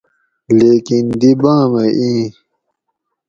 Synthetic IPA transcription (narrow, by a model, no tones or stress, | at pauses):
leːkind̪ibãːmɐʔĩː